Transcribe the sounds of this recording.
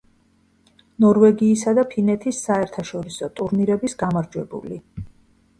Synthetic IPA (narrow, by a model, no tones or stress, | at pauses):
nɔɾvɛɡiːsad̪apʰinɛt̪ʰisːaɛɾt̪ʰaʃɔɾisɔt̪ʼuɾniɾɛbisɡamaɾd͡ʒwɛbṵli